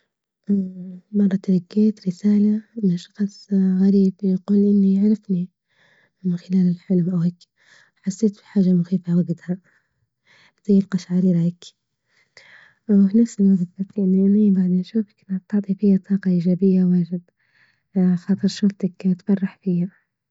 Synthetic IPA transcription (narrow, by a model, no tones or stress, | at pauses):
ʔmɑrˤːɑt̪ɾˤɑɡːeːt̪ɾɪsaːlamʃɑ̥xsˤɣaɾiːbjɑquːlʔɪnːiaʕɾɪfni | mɪnxɪlaːlɪlħɪlmʔawheːk | ħasːeːt̪bi̥ħaːʒamʊxiːfawaɡɪd̪ha | d̪ijɪlqɑʃʕaɾiːɾaak | wfinafsɪlwaɡd̪bat̪ʔanːiʔɪnibaʕd̪iːnʃuːfḁkʔɪnhat̪ɑʕt̪ˤifɪjːat̪ˤʰɑːqɑʔiːd͡ʒaːbɪjːawaːʒɪd̪ | xɑːt̪ˤɨɾˤʃuːft̪akt̪fɑrˤːɑħfijha